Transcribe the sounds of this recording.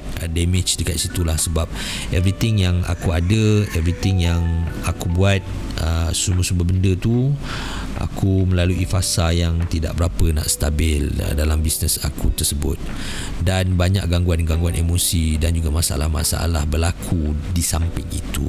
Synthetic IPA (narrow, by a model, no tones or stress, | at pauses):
ʔədɛmɪt͡ʃdəkat̪̚sit̪ulahsəbap̚ʔɛvɾit̪ɪŋjaŋa̰kuadəɛvɾit̪ɪŋjaŋakubuat̪̚ʔəsuməsumbəbəndət̪u | a̰kumə̃laluifasajaŋt̪ida̰ʔbəɾapəna̰ʔst̪abɪlə̰dalambisnəsakut̪ərsəbʊ̰t̪̚ | danbaɲa̰ʔɡaŋɡuanɡaŋɡuanemosidand͡ʒuɡamasaʔa̰la̰hma̰sa̰ʔa̰lahbəlakʰudisampɪŋḭt̪ṵ